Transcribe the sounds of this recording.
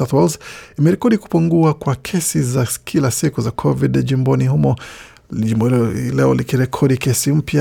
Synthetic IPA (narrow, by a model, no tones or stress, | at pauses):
aθwɔlzimɛɾɛkɔɗiku̥puŋɡuakwakʰɛsizakʰilasikuzakʰɔvidʄimbɔnihumɔ | imlɛɔlikiɾɛkʰɔɗikɛsim̩pja